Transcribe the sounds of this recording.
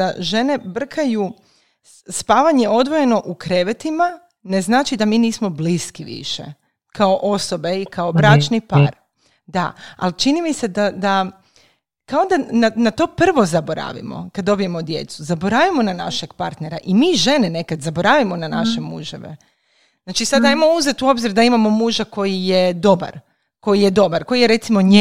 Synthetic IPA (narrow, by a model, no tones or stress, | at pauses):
daʒe̞ne̞br̩kʰaju | spaːʋaɲe̞o̞d̪ʋo̞je̞no̞ʔukɾe̞ʋet̪ima | ne̞znaːt͡ʃid̪amiːniːsmo̞bliskiʋḭʃḛ | kaoʔo̞so̞be̞ikaobɾat͡ʃnipa̰ːɾ | d̪a̰a̰lt͡ʃinimise̞d̪ad̪a | kaod̪ananat̪o̞pr̩ʋo̞zabo̞ɾa̰ʋḭmo̰kad̪ːo̞bije̞mod̪je̞̰t̪suzaboɾaʋimo̞nana̰ʃeɡpa̰ɾt̪ne̞ɾa̰ʔimiʒe̞nene̞kad̪zabo̞ɾaʋimo̞nanaʃemṵʒḛʋḛ | znaːt͡ʃisad̪ajmouze̞t̪uo̞bziɾd̪aimamo̞muːʒako̞jije̞d̪o̞ba̰ɾ | ko̞jije̞d̪o̞baɾko̞jijeɾe̞t̪simo̞ɲe